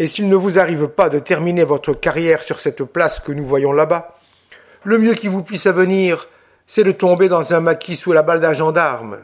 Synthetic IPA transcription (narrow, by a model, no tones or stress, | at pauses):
esilnəvuzaʁivpad̪ət̪ɛʁminevɔt̪χəkaʁjɛʁsyʁsɛt̪plaskənuvwajɔ̃laba | ləmjøkʲivupɥisavəniːʁ | sɛd̪ət̪ɔ̃bed̪ɑ̃zɛ̃makʲʰisulabald̪aʒɑ̃d̪aʁm